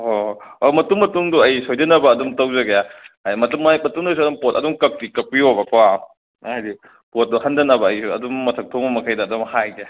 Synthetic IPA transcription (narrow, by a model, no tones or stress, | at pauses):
hoomɐtuŋmɐtuŋduɐjsojdɐnɐbɐːdumtɐwzɐɡɐjaajmɐtumjmɐtuŋnɐs̬uɐdumpotɐdumkɐk̚tikɐk̚piobɐkwa | ajdi | pot̚duhɐndɐnɐbɐːjsuɐdumːɐtʰɐk̚tʰoŋbɐmɐkʰɐjdɐːdumhajɡe